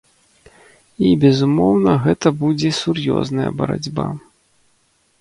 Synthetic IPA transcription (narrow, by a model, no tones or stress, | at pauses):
ibʲɛzumɔwnɐɣɛt̪ɐbud͡zʲɛsurjɔ̰znɐjɐ̰bɐɾa̰d͡zʲba